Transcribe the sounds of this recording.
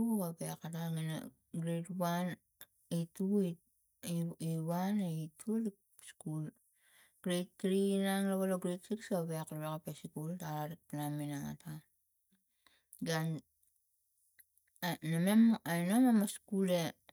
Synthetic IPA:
uapeakataŋina̰ | ɡɾetwan | itui | iwaneitʰuli | skul | ɡ̥ɾettɾinaŋlaβaloɡɾetsiksaβeakɾaβekapesikultaɾaɾik̚pinaminaŋa̰ta | ɡan | anamemajnomemaskule̞

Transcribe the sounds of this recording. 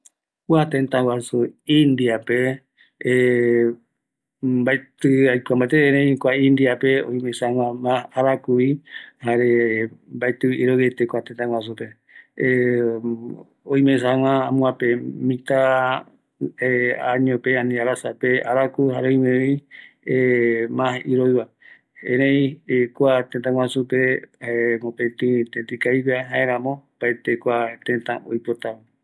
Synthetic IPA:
kʷat̪ẽnt̪ãwasuĩnd̪iape | mbaet̪ɨajkʷambajt̪eeɾẽkʷaĩnd̪iapeoĩj̃mẽsawʷãmaaɾakuihaɾembaet̪ɨiɾowet̪ekʷat̪ent̪ãwas̬upe | õĩmẽsãŋãamũãpemĩt̪a | eaɲõpeãnĩaɾasapeaɾakuɦaɾeõĩmẽiemãɦiɾojβa | ẽɾẽĩekʷat̪ẽt̪̬ãŋwasupe | mõpet̪ɨ̃t̪et̪ikaiβiaɦaeɾ̃ãmõpaet̪ekʷat̪ẽt̪ãʔojpot̪ama

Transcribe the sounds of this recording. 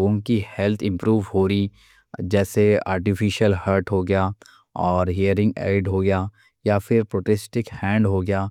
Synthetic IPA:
ɡõkihɛlt̪ʰɪ̃mpɾuːʋɦoːɾi | d͡ʒɛːsea̰ːɾʈɪfiʃəlhəɾʈɦoɡɐjaː | ɔːɾɦiəɾɪ̃ŋɡɛ̰ːɖɦoɡɐjaː | jafɪɾpɾoːʈɛsʈɪkhɛ̃ːɳɖɦoɡɐjaː

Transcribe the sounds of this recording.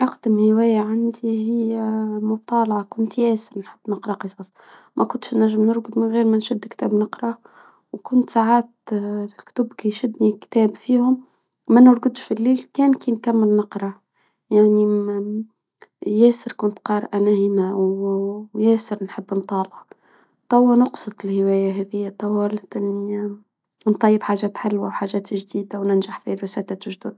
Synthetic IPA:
ʔɑqd̪əmhɪwæːjaʕand̪ihɪjːmʊt̪ˤɑːlʕɑkʊnt̪jæːsəɾnħəbːnɑqɾˤɑqɨsˤɑːsˤ | mʔækʊnt̪ʃnæʒːəmnʊɾɡd̪mɪnɣiːɾmænʃʊd̪ːkt̪æːbnɑqɾˤɑ | wkʊnt̪saʕaːt̪kt̪ʊbkiʃʊd̪nikt̪æːbfiːhʊmː | ænʊɾɡʊd̪ʃfilːiːlkæːnkiːnkamːɪlnɑqɾˤɑ | jaʕni | jɛːsəɾkʊnt̪qɑːɾʔanæhɪmaw | jæːsəɾnħəbːnt̪ˤɑːlɑ | t̪ˤɑwːanʊqsˤɨt̪ˤɪlhɪwæːjaɦɛðɪjːat̪ˤɑwɑlt̪ʔɪnːi | nt̪ˤɑjːəbħaːʒæːt̪ħɪlwawħaːʒæːt̪ʒd̪iːd̪awnɪnʒaħfiɾʊsæːt̪at̪ʊʒd̪ʊd̪

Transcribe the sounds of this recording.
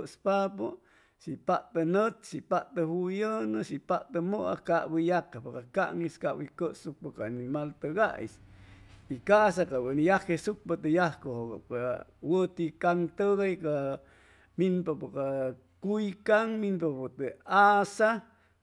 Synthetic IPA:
ʔspapo | sipaʔt̪ənət̪sipaʔt̪əhujənəsipaʔt̪əmoʔa̰kaʔbəjakapakaka̰ʔŋiskaʔbikəʔsuk̚pakaanimalt̪əɡa̰ʔj̰s | ikas̬akawənijakesuk̚pat̪əjahkohoka̰kawət̪ikaŋt̪əɣajka | minpapaka | kujkaŋminpapot̪əasa

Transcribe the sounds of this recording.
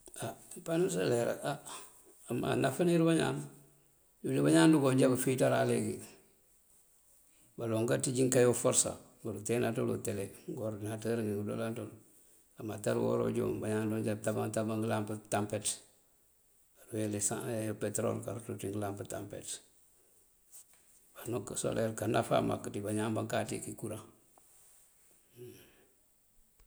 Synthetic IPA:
a | panusaleɾa̰a | ama̰nafaniɾbaɲa̰ːm | julibaɲaːnduɡoɲɟabafitaɾa̰leɡḭ | baloŋɡatiɟiŋkajofoɾsa̰ | baɾutenatolṵteleɡoɾnataɾiŋɡiɡudo̰lantol | amataɾwo̰ɾo̰ɟo̰ːmbaɲanloɲd͡ʒatabaŋtabaŋɡəlambətampet | aɾuwelesa̰jopetɾo̰lkaɾtutiŋɡəlambətampḛt | banokːso̰lʔeɾkanafa̰ma̰kːtibaɲaːŋbaŋkatḭkikuɾaŋ

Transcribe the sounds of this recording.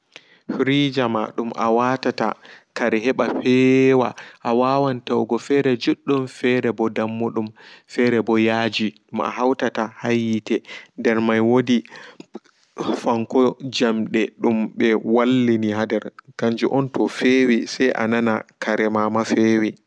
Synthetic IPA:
fɾid͡ʒama̰ɗumʔa̰watata̰kaɾɛɦɛɓapɛwaʔawawantawɡɔfɛɾɛd͡ʒuɗːumfɛɾɛbɔdamːuɗumfɛɾɛbɔjaːd͡ʒiɗuma̰hawtatahajitɛndɛɾmajwodi | faŋkɔd͡ʒamɗɛɗumɓɛwalːiniɦadɛɾkaɲd͡ʒuʔɔntɔfewisajʔa̰nanakʰaɾɛmamafewi

